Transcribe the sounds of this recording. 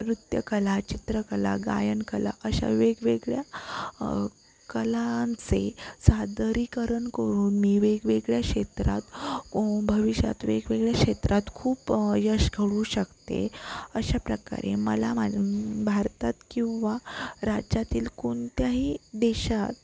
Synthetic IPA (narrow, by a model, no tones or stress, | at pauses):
ɾut̪jə̰kəlat͡ɕit̪ɾəkəla̰ɡa̰jənkəla̰ʔəɕa̰ʋeɡʋeɡɭja | kəlant͡sesad̪ɾikəɾəɳkəɾuːnmiːʋeɡʋeɡɭjakɕet̪ɾa̰t̪ | bʱəʋiɕa̰t̪ʋeɡʋeɡɭjakʂet̪ɾʔat̪kʰuːpjəɕɡʱəɽuːɕəkt̪ḛəɕapɾəka̰ɾeməlamabʱaɾt̪at̪kĩw̃ʋaɾad͡ʑat̪iːlkont̪jaɦid̪eɕat̪̚